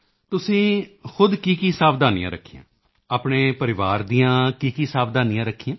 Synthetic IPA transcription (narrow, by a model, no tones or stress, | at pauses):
t̪ʊsĩːxʊd̪kiːkiːsaːpʰd̪aːnḭ̃ã̰ːɾəkʰːijã̰ː | aːpɳeːpəɾɪʋaːɾd̪iːãːkiːkiːsaːpʰd̪aːniːãːɾəkʰːijãː